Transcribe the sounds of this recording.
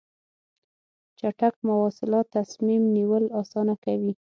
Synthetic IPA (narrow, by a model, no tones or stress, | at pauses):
t͡ʃaʈak̚mawɑsɪlɑt̪ːasmimniwəlɑsɑnakawi